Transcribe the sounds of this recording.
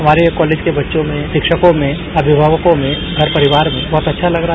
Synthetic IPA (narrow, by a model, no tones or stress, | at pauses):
ɦɐmaːɾekɔːleːd͡ʒkebɐtːʃõmẽʃɪkʃəkõmẽ | ɐbʱɪbʱaːʋəkõmẽ | ɡʱɐɾpɐɾɪʋaːɾmẽbɔːt̪ɐtːʃʰalɐɡɾa